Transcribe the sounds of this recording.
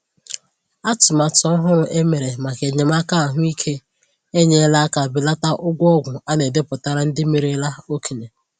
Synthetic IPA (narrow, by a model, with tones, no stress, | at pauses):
a˦tʊ˨ma˨tɔ˦ɦʊ˦ɾʊ˨ʔe˦me˨ɾe˨ma˨ke˨ɲe˨m˦a˦ka˦˨ɦʊ˦i˦kʰe˦ | e˦ɲe˦la˦a˦ka˨bɪ˦la˦ta˦ʔʊ˦ɡʷɔ˦ɡʷʊ˨a˦ne˨de˦pʊ˨ta˦ɾa˦n̩˦dɪ˦me˨ɾe˦la˦o˦ki˨ɲe˨